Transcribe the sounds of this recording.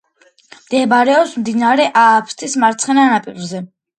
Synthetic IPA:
md̪̥ɛbaɾɛɔpsmd̪inaɾɛʔaːpʰst̪ʰʼismaɾt̪sʰχɛnanapʼiɾzɛ

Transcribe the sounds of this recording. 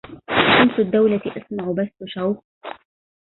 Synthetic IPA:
ʃamsʊd̪ːawlat̪ʔasmaʕʊbasːʊʃawx

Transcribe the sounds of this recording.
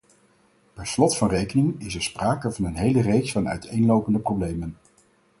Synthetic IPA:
pɛɹslɔtfɑnrejkənɪŋɪs̬ɛɹspraːkəvɑnənɦejlərejksfɑnœ̰ɥtʰejnlowpəndəprowblejmən

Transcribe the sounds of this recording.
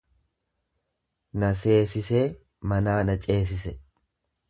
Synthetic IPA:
nɐse̞ːsɪse̞ː | mɐnaːnɐt͡ʃʼe̞ːs̬ɪsɛ

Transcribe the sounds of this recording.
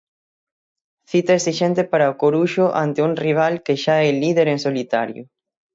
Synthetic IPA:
θit̪aesiʃɛnt̪epaɾɐokoɾuʃʊʔa̰nt̪euŋriβ̞alkeʃaɛliðeɾeŋsolit̪aɾjʊ̰

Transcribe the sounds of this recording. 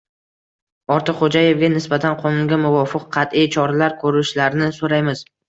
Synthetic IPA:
ɒɾt̪ʰɨqχod͡ʒaje̞vɡʲanɪsbat̪ʰanqʰɒnʊŋɡʲamʊvɒfɨqʰːɑt̪ijt͡ʃʰɒɾalaɾkʰɵɾɪʃlaɾɪnɪsoɾajmɪz̥

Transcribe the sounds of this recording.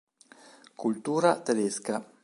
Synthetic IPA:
kult̪uːɾat̪ed̪eska

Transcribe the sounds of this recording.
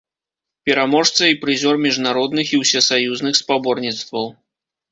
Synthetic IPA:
pʲɛɾamɔʂt̪sɐipɾɨzʲɔrmʲiʐnaɾɔd̪nɨxiwsʲɛsajuznɨxspabɔrnʲit̪st̪vɐw

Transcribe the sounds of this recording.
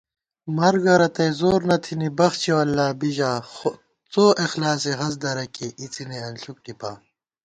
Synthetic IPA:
mɐɾɡɐɾɐt̪ɐjzoːɾnɐt̪ʰinibɐxt͡ɕʰewɐlːaːbiʑaːxo | t͡soːʔexlaːseɦɐz̬d̪ɐɾɐkeʔit͡sineɐnɬuk̚ʈipaː

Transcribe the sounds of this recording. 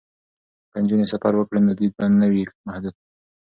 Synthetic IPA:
kand͡ʒunesafaɾwəkɽənd̪əd̪id̪̚bannəwimahd̪ud̪̚

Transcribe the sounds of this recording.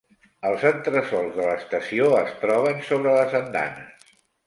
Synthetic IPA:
əlˠzənt̪ɾəsɔlˠzðələst̪əsioəst̪ɾɔβənsoβɾələzənd̪a̰nəs

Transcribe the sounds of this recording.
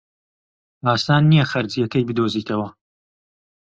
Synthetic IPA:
aːst̪aːnːijɐxɐɾd͡zijɐkɐjbɨd̪oːziːt̪ʰɐwɐ

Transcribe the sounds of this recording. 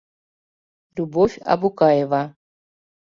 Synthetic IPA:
lʲubovʲa̰bukajeva

